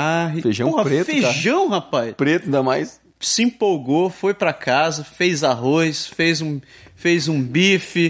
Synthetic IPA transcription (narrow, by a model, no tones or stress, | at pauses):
aɦɪfeʒɐ̃w̃aɾet̪feaʒɐ̃w̃hapajspɾet̪ʊd̪amajs | sɪĩpowɡofojpɾɐkʰazɐfejzaɦojsfejzũ | fejzũbifɪ